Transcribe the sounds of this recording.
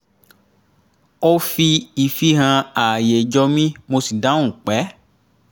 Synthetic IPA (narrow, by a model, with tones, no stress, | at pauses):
o˦fi˧i˧fi˦ɦã˧a˨je˨d͡ʒɔ˧mĩ˦mo˧si˨dã˨˦ũ˦˨k͡pɛ˨˦